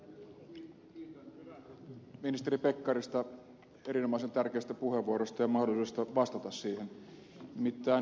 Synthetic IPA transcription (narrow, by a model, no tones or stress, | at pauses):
minist̪eɾipe̞kːɑɾist̪ɑ | e̞ɾino̞mɑˑisent̪ærk̟eːst̪æpuhe̞ʋuoɾost̪ɑjɑmɑhdolˑisuːest̪ɑʋɑst̪ɑt̪ɑsːiːhen | mit̪ːæː